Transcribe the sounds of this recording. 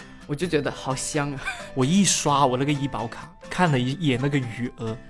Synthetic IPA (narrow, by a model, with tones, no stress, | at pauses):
wɔ˨˩t͡ɕjo˥˩ʊt͡ɕɥɛ˧˥d̪ə˧xɑ˨˩ʊɕjɑ˥ŋ˨wɔ˨˩i˥˩ʂwa˥wɔ˨˩na˥˩ɡə˩i˥pɑ˧˥ʊkʰa˨˩˦kʰa˥˩nlə˩i˧˥jɛ˨˩na˥˩ɡə˩y˨˩ə˧˥